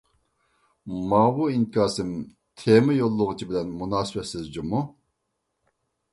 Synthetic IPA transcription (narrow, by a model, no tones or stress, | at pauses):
mɑːwuinkʰɑːsɨm | t̪ʰemɪjolˠːʊʁʊt͡ʃʰibɪlɛnmunɑːsɨbɛt̪sɪzd͡ʒumu